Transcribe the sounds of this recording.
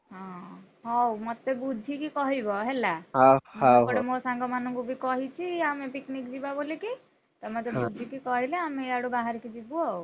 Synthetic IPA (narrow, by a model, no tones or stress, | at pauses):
ɦã | ɦɔ̃wmɔt̪ːebud͡ʒʱikikɔɦibɔɦelaɦmɦakɔɽemosãŋɡɔmanukubʱikɔɦit͡ʃʰiamepiknikd͡ʒibaboleki | t̪ɔmət̪ebud͡ʒʱikikɔɦileameaɽubaɦaɾkid͡ʒibuɔ